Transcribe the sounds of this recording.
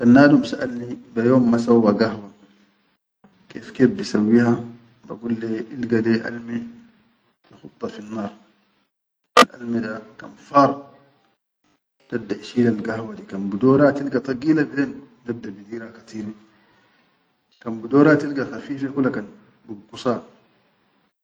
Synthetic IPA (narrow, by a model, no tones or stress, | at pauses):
kanːaːdumsaʔalnibajoːmːasawːaɡahwa | keːfkeːfbisawːiha | ba̰ɡulːeʔilɡadeʔa̰lmi | taxut̪ˤːɑfinːɑːɾˤ | ʔa̰lmidaka̰nfɑːɾˤ | t̪ab̚d̪aʔʃiːlalɡahwad̪ikanbid̪oːɾat̪ilɡat̪ˤɑɡiːlabideːn | nab̚d̪abid̪iːɾhakḁt̪iːɾi | kambid̪oːɾat̪ilɡaxafiːfekulːakan | bibɡusɑːɾ